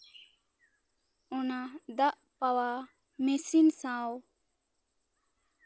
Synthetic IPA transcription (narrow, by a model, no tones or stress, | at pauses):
ɔnad̪aʔ | pawa | mesinsãw